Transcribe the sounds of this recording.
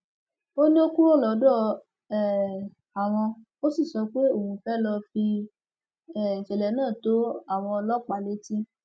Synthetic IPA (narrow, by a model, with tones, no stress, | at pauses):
o˦nĩ˦o˦ku˦ɾo˦˨lɔ˨˦dɔ˦˨ | ɛ˨ | a˨w̃ɔ̃˧ | o˦si˦˨sɔ˧k͡pe˦o˦˨hũ˨˧fɛ˦lɔ˧fi˧ | ɛ˦˨ĩ˨ʃɛ˨lɛ˨˦nãː˦˨to˨˦a˦˨w̃ɔ̃˧ɔ˧lɔ˦k͡pa˨le˨˦ti˦